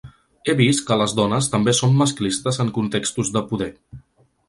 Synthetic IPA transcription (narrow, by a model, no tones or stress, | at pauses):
eβist̪kələzðɔnəst̪əmbesomːəsklist̪əzəŋkunt̪ekst̪uzðəpuðɛ